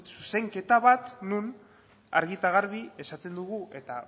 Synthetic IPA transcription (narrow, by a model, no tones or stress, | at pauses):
suse̞ŋke̞t̪aβat̪nun | a̰ɾɣit̪aɣaɾβie̞sat̪e̞nd̪uɣuʔe̞t̪a